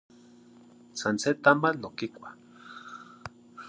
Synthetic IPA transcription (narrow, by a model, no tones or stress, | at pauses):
sanset̪amanːokikʷḁ